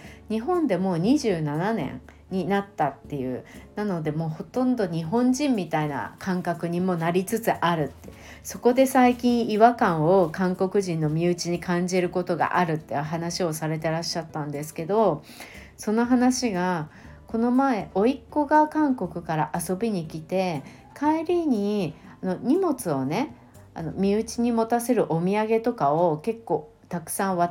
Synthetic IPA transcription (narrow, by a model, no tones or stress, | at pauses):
ɲ̟iɦõ̞nd̪e̞mo̞ːɲ̟iʑɨːnananẽ̞̰ɴ | ɲ̟inat̪ːat̪ːe̞jɯ̟̰ːnano̞d̪e̞mo̞ːho̞t̪õ̞nd̪o̞ɲ̟iɦõ̞ɲd͡ʑĩmʲːit̪aina̰kʰãŋkakɯ̟ɲ̟imo̞naɾʲit͡sɨt͡sɨʔaɾɯ̟t̪ːe | so̞ko̞d̪e̞saikʲĩɰ̃iβakãɰ̃o̞kãŋko̞kɯ̟ʑĩnːo̞mʲiɯ̟t͡ɕiɲ̟ikãɲ̟d͡ʑiɾɯ̟ko̞t̪o̞ɡa̰ʔaɾɯ̟t̪ːeɯ̟ɦanaɕio̞saɾe̞t̪e̞ɾaɕːat̪ːãnd̪e̞sɨ̥ke̞d̪o̞ | so̞no̞ɦanaɕiɡako̞no̞mae̞ʔo̞ikːo̞ɡakãŋko̞kɯ̟kaɾaʔaso̞bʲiɲ̟ikʲit̪e̞ | kaiɾʲiɲ̟iano̞ɲ̟imo̞t͡sɨo̞ne̞ | a̰no̞mʲiɯ̟t͡ɕiɲ̟imo̞t̪ase̞ɾɯ̟ʔo̞mʲiaɡe̞t̪o̞kaoke̞kːo̞ː | t̪akɯ̟̥sãɰ̃βa